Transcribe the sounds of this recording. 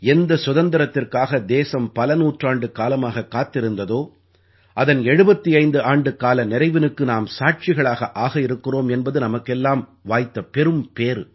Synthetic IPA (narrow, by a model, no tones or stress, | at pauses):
ɛnd̪ɐsʊðɐnd̪ɪɾɐt̪ːɪrkaːɣɐd̪eːsɐmpɐlɐnuːʈraːɳɖɯkaːlɐmaːɣɐkːaːt̪ːɪɾɯnd̪ɐðoː | ʔɐðɐnɛɻɯbɐt̪ːiɐɪnd̪ɯaːɳɖɯkaːlɐnɪɾɐɪʋɪnɯkːɯnaːmsaːʈ̚t͡ʃɪɣɐɭaːɣɐʔaːɣɐɪɾɯkːɪroːmɛnbɐðɯnɐmɐkːɛlːaːmʋaːjt̪ːɐpɛɾɯmpeːɾ